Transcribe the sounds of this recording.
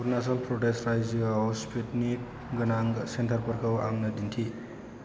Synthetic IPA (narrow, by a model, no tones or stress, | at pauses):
uɾnas̬ɔnpɾoʈestɾajd͡ʒawspetnik̚ | ɡɐnaŋsentʰəɾpɐɾkʰawa̰ŋnɐdintʰi